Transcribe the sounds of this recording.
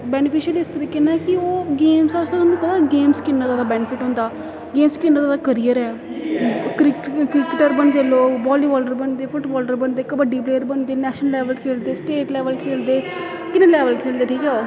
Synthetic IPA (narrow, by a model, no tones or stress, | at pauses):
bɛːnɪpʰiːʃəlɪst̪əɾiːkenakɪoːɡeːmsasat̪ʊnũːpət̪aːɡeːmskɪnːaːt̪aːd̪aːbɛːnɪfʰɪʈɦõːnd̪aː | ɡeːmskɪnːaːt̪ːd̪aːkəɾiːəɾɛː | kɾɪkɾɪkɪʈəɾbəɳd̪eːloːbɔːliːʋɔːlɖəɾbəɳd̪eːfʰʊʈbɔːlɖəɾbəɳd̪eːkəbəɖiːp̬leːəɾbəɳd̪eːnɛːʃənlɛːʋəlkʰeːld̪eːsʈeːʈlɛːʋəlkʰeːld̪eː | kɪnẽːlɛːʋəlkʰeːld̪eːʈʰiːkɛoː